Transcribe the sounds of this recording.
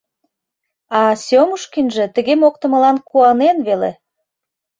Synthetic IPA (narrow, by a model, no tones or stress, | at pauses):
ɑsomuʃkinʒĕt̪ə̆ɣemok̚t̪ə̆mə̆lɑnkuɑnenβelḛ